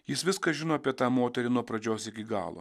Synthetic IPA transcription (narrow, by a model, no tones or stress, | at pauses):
jɪsʋʲɪskɐʒʲɪnoːɐpʲiɛt̪ɑːmoːt̪ʲɛɾʲɪnuɔpɾɐd͡ʒʲoːsɪkʲɪɡɑ̰ːlˠo̰